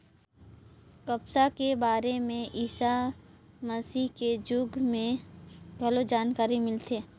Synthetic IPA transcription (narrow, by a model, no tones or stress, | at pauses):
kɐpsakebaːɾemẽʔiːsa | məsiɦked͡ʒʊɡmẽɡʱɐlod͡ʒaːnkaːɾimɪlt̪eː